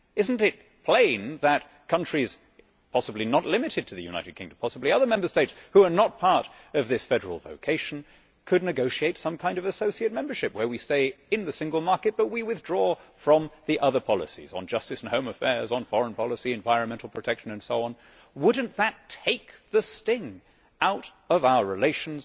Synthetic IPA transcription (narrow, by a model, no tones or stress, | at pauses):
ɪzn̩tɪt̚ | pʰl̥ẽɪ̃nðɨt̚ | kʰʌ̃nt͡ʃɹ̥iz̥ | pʰɑsəblinətˡlɪ̃mɨɾɨd̚tʰɨðɨjʉ̰naɪɾɨd̚kʰɪ̃ŋdɨ̃m̩pʰɑsəbliʌðə˞mɛ̃mbə˞steɪtshuə˞nət̚pʰɑɹɾ | ʌvðɪsfɛɾə̰˞l̩ˠvo̰ʊkʰeɪʃn̩ | kʰɨdⁿnɨɡoʊʃieɪtsʌ̃mkʰãɪ̃ndʌvɨsoʊsieɪt̚mɛ̃mbə˞ʃɨp̚wə˞wisteɪɨ̃nðɨsɪ̃ŋɡəl̩ˠmɑɹkɨt̚b̥ʌt̚wiwɨθdɹɔfɹʌ̃mðiʔʌðə˞pʰɑlˠə̰sḭzn̩d͡ʒʌstɨsn̩hõʊ̃məfɛɹzn̩fɔɹə̃npʰɑlˠəsiɨ̃ɱvaɪɹɨ̃nmɛ̃ntˡl̩ˠpʰɹ̥ɨtʰɛkʃɨ̃nɨ̃nsoʊɑ̃n | wʊdⁿn̩ðɨtʰeɪk̚ðɨstɪ̃ŋ | aʊɾ | ʌvaʊə˞ɹɨleɪʃn̩z̥